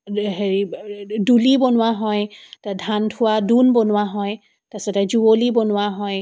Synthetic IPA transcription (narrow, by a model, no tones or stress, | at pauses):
ɦeɹidulibonʊwaɦɔjtɛdʱantʰʊwadunbonʊwaɦɔj | tasɛtɛzuwolibonʊwaɦɔj